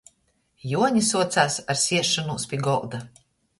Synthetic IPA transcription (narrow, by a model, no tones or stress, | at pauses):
juɔɲisuɔt̪saːsaɾsʲiɛʃːɔnuːspʲiɡɔlˠd̪a